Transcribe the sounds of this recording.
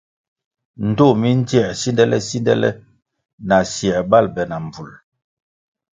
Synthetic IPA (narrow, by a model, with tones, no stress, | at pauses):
n̩˨to˦˨mi˦n˦d͡ʒi˦ɛ˦˨si˦ndɛ˦lɛ̰˦si˦ndɛ̰˦lɛ̰˦ | na˨sjɛ˨ba˦˨lbɛ˨na˨m˨b͡vu˨l